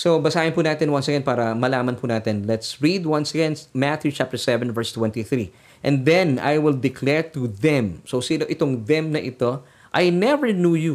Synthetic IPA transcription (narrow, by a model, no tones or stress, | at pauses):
sobɐsaːhɪ̃npuːnaːt̪ɛnwɐ̃nsɛɡan̚paːɾɐmɐlaːmɐnpunaːt̪ɛnlɛt̪sɹid̪wɐ̃nsɛɡãnd̪mat̪jut͡ʃap̚t̪ɛɹsɛvɛ̃nvɛɹst̪wɛ̃nt̪iθɹi | ʔɛ̃nd̪ɛ̃na̰jwɪld̪ɪkʰlɛɹt̪uðɛ̃msowsinoʔɪt̪oŋd̪ɛmnɐʔɪt̪o̞ | ʔajnɛvɛɹnjuju